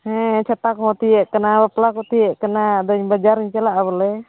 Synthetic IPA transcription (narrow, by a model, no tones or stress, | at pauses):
hɛ̃t͡ʃʰat̪akɔɦɔt̪iɛʔkanabaplakɔt̪iɛʔkanad̪ɔɲbad͡ʒaɾiɲt͡ʃɛlaʔaβɔlɛ